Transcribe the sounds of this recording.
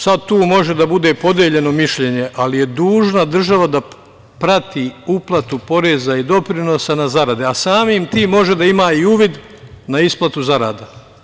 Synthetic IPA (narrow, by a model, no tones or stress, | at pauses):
sad̪̚t̪uːmo̞ʒe̞d̪abud̪e̞po̞d̪jeʎe̞no̞miʃʎe̞ɲe̞ʔalije̞d̪uːʒnad̪r̩ʒaʋad̪a | pɾat̪iːuplˠat̪upo̞ɾezaid̪o̞pɾino̞sanazaɾad̪easaːmiːmt̪iːmːo̞ʒed̪aimaːiuːʋid̪ | naisplˠat̪uzaɾa̰ːd̪a